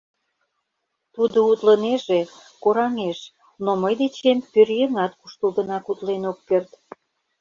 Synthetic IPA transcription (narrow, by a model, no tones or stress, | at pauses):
t̪ud̪out̪ləneʒe | koɾɑŋeʃ | noməjd̪et͡ɕempørjeŋɑt̪kuʃt̪əlɡə̆nɑkut̪lenokːert̪